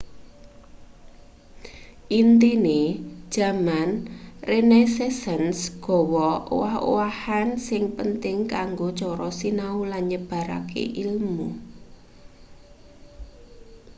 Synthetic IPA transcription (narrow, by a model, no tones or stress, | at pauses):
ʔint̪ine̥ʒ̥ä̤manrenesesənsɡ̥ɔ̤wɔo̰waho̰wahansɪŋpənt̪ɪŋkaŋɡot͡ʃɔɾɔsinaulanɲəb̥a̤ɾa̰kḛʔilmmu